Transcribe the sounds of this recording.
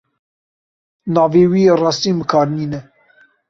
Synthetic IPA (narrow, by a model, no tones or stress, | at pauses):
nɑːveːwierɑːst̪iːməkʰɑːɾniːnɛ